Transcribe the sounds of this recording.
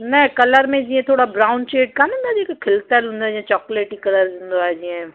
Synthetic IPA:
nɛkɐləɾmẽd͡ʒiɛ̃t̪ʰoːɽabɾaːʊnt͡ʃeːʈ̚kanʊnd̪ad͡ʒikokʰɪlt̪aɦɛlʊ̃nd̪ad͡ʒiɛ̃t͡ʃɔːkleːʈikɐləɾd͡ʒʊnd̪oad͡ʒiɛ̃ː

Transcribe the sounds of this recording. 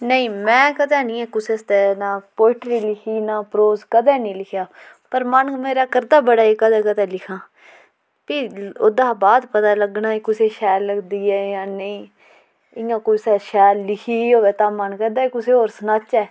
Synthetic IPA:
nəĩːmɛ̃ːkəd̪ɛːnĩːɛːkʊsest̪ɛːnaːpoːɪʈɾiːlɪkʰiːnaːpɾoːzkəd̪ɛːnĩːlɪkʰjaː | pəɾmənmeːɾaːkəɾd̪aːbəɽaːiːkəd̪ɛːkəd̪ɛːlɪkʰãː | piːʊd̪ãːbaːd̪pət̪aːləɡnaːikʊseːʃɛːlːəɡd̪iːɛːjãːnəĩː | ɪãːkoːisaːʃɛːlːɪkʰiːoːʋɛːt̪ãːmənkɛ̃ːnd̪aːiːkʊseːɦoːɾsənaːt͡ʃːɛː

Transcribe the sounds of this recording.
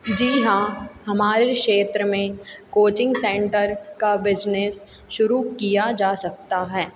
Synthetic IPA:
d͡ʒiːɦãːhɐmaːɾekʃeːt̪ɾəmẽkoːt͡ʃɪ̃ŋɡsɛ̃ːɳʈəɾkabɪd͡ʒnes | ʃʊɾukijad͡ʒaːsɐk̚t̪aɦɛː

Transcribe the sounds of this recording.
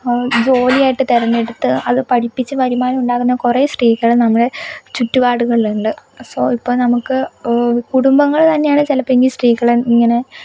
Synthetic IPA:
d͡ʑo̞ːlijaːjiʈːɨt̪eɾɐnːeɽut̪ːɨɐðɨpɐʈipːit͡ɕːɨʋɐɾimaːnɐmuɳɖaːɣunːɐkureːsriːkːɐɭɨnɐmːɐɽe̞t͡ɕutːuʋaːɽuɣɐɭluɳɖɨsoːipːo̞ːɭnɐmukːɨkuɽumbɐŋːɐɭt̪ɐnːejaːɳɨt͡ɕilɐpeŋɡisriːkːɐɭemiŋːɐne̞

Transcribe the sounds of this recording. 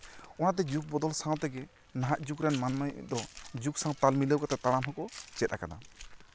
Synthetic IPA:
ɔnat̪ɛd͡ʒuk̚bɔd̪ɔlsãw̃t̪ɛɡɛ | naɦaʔd͡ʒukɾɛnmanmajd̪ɔd͡ʒuksãwt̪almiləwkat̪ɛt̪aɽ̃amɦɔkɔt͡ʃɛt̪akana̰

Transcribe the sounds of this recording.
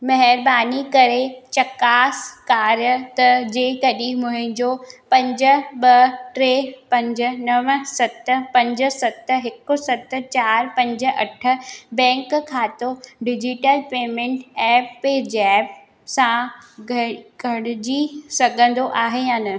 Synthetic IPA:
mɐɦɪɾbaːnikɐɾet͡ɕɐkaːskaːɾjət̪ɐd͡ʑeːkɐɗĩmʊ̃ɦɪ̃ɲd͡ʑopɐ̃ɲd͡ʑə̆ɓɐʈɾeːpɐ̃ɲd͡ʑə̆nɐʋsɐt̪̆pɐ̃ɲd͡ʑʊ̆sɐt̪ɦɪkʊsɐt̪t͡ɕaːɾpɐ̃ɲd͡ʑʊ̆ʔɐ̰ʈʰə̆bɛ̃ːŋkkʰaːt̪oɖɪd͡ʑɪʈəlpeːmẽɳʈɛːpːeːd͡ʑɛːp | sãɡʱɡʱɐɽɪd͡ʑisɐɡʱə̃nd̪oʔaːɦejãːnɐ

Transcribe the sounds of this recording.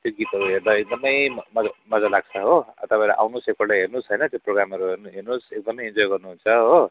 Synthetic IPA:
t̪joɡit̪ʌɾuɦerd̪aek̚d̪ʌmʌjmʌamʌd͡zalaɡ̚t͡sʰʌɦoʌ̰t̪ʌpãeɾaʔa̰wnusek̚pʌɽlaɦernusɦʌjnʌt̪joproɡɾamʌɾuɦerɦernusek̚d̪ʌmʌjind͡zojɡʌrnuɦunt͡sʰʌɦo

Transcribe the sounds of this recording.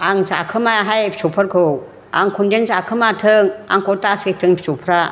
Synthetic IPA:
aŋza̰kʰɯmajaɦajpsupʰɯɾkʰɯw | a̰ŋkʰundenzakʰɯmatʰɯŋa̰ŋkotasetʰɯŋpʰsupʰɾa

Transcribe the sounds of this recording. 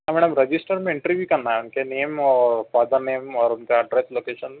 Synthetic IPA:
amɛɽɐmɾɐd͡ʒisʈəɾmeɪɳʈɾiʋjukɐɾnaeunkeneːmɔɾfaːd̪əɾneːmɔːɾunkaɖɾesloːkeːʃən

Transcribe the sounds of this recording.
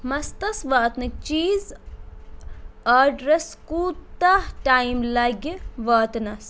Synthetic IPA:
mɐst̪ɐsʋaːt̪nɨt͡ʃiːz | aːɖɾeskuːt̪ahʈaːjmlɐɡiʋaːt̪nɐs

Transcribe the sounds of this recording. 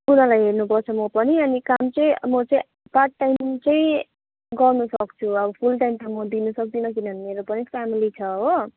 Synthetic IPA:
unãlajɦernupʌrt͡sʰʌmʌpʌniʌnikamt͡sʌĩmʌt͡sʌĩ | parʈːajmt͡sʌĩ | ɡʌrnusʌkt͡sʰuʌbʌpʰulʈajmt̪ʌmʌd̪inusʌk̚d̪inʌk̬inʌnmeɾopʌnipʰamilit͡sʰʌɦo

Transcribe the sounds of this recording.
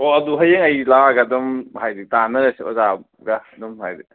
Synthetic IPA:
oɐduɦɐjeŋɐjlaɡadɔmhajditanɐɾɐsiɔ̰za | ɡadumhajdi

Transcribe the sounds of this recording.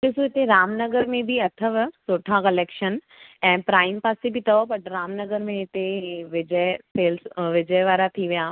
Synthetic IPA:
kɪsuɦɪt̪eɾaːmnɐɡəɾmẽbʱiɐt̪ʰəʋsoːʈʰãkɐleːkʃən | ɛ̃ːpɾaːɪmpaːsebʱit̪ɐopɐʈɾaːmnɐɡəɾmẽɦɪt̪eʋɪd͡ʑəseːlsʋɪd͡ʒəjʋaːɾat̪ʰiʋijaː

